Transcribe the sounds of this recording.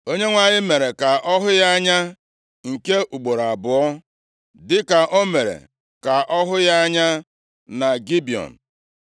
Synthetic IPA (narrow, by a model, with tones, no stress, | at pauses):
o˦ɲe˦ŋʷa˨ɲɪ˦me˨ɾe˨ka˨ʔɔ˦ɦʊ˦ja˦a˦ɲa˦ | ŋ̩˨ke˦ʔu˨ɡ͡bo˨ɾa˨bʊ˨ɔ˦ | dɪ˦ka˨ʔo˦me˨ɾḛ˨ | ka˨ʔɔ˦ɦʊ˦ja˦ɲa˦ | na˨ɡi˦bi˨ɔ̰˨n̩˨